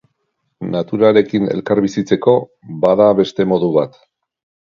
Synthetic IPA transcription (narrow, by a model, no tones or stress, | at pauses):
nat̪uɾale̞kine̞̰lkaɾβisit͡se̞ko̞ | baðaβe̞st̪e̞mo̞ðuβat̪